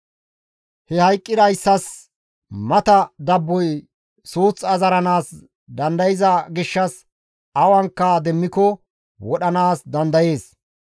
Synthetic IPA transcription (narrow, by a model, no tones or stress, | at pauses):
hɛhɐjkʼːɪd̪ɐjsːɐs | mɐt̪ɐd̪ɐbːɔj | suːt͡sɐzɐɾɐnaːs | d̪ɐnd̪ɐjɪzɐɡɪʃːɐs | ɐwɐŋkːɐd̪ɛmːɪkɔ | wɔɗɐnaːsd̪ɐnd̪ɐje̞ːs